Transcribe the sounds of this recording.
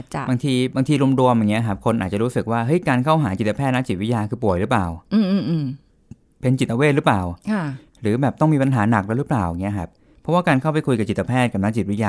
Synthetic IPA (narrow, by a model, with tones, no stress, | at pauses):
t͡ɕbaː˧ŋt̪ʰiː˧baː˧ŋt̪ʰiː˧ɾu˧mɾu˧əmja˨˩ŋi˦˥ɐ˧˩kʰa˦˥p̚kʰo˧nʔaː˨˩t͡ɕa˨ɾu˦˥sɯ˨˩k̚waː˥˩ɦɤ˦˥jkaː˧nkʰa˥˩wɦaː˩˦t͡ɕi˨˩t̪ːa˧pʰɛː˥˩t̪̚na˦˥t͡ɕi˨˩t̪̚wi˦˥jaː˧kʰɯː˧˩pu˨˩əjɾɯ˦˥plaː˨˩w̩ː˧˩˧ | pe˧nt͡ɕi˨˩t̪̚ːʔa˧weː˥˩t̪̚ɾɯ˦˥plaː˨˩wkʰa˥˩ | ɾɯː˩˦bɛː˨˩p̚t̪ɔ˥˩ŋmiː˧pa˧nɦaː˩˦na˨˩k̚lɛː˦˥wɾɯ˦˥plaː˨˩wa˨˩ŋːi˦˥ɐ˧kʰa˦˥p̚ʰːɔ˦˥waː˥˩kaː˧nkʰa˥˩wpa˧jkʰu˧jka˨˩t͡ɕi˨˩t̪ːa˧pʰɛː˥˩t̪̚ka˨˧˩na˦˥t͡ɕi˨˩wi˦˥jaː˧